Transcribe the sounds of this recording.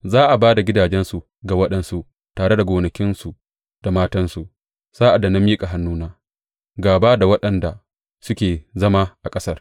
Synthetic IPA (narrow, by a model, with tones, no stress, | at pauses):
zaː˦ʔa˨baː˦da˨ɡʲɪ˦daː˨d͡ʒɛ˦nsu˨ | ɡa˨wɐ˦ɗɛ˨nsu˨ʔ | taː˨ɽe˦da˨ɡʷoː˨nɐ˨kʲɪ˦nsu˨ | d̥a˨maː˦tɐ˦nsu˨ | z̥aː˦ʔa˨da˨na˦miː˦kʼa˨ɦa˦nːuː˦naː˦ | ɡaː˨ba˦da˨wɐ˦ɗɐ˨nda˨ | sʊ˦kʲeː˨zɐ˦maː˦ʔa˨kʼɐ˦sɐ˦r